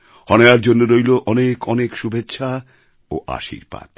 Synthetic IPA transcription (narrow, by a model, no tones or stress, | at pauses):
hɔnejaɾd͡ʑonːoɾojloʔɔnekɔnekʃubʱetːɕʰa | o̰ʔa̰ʃḭɾpa̰d̪̥̚